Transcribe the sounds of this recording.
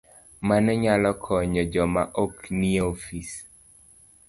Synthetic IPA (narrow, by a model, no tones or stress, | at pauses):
manɲalɔkʰɔɲɔd͡ʒɔmaʔoknieofis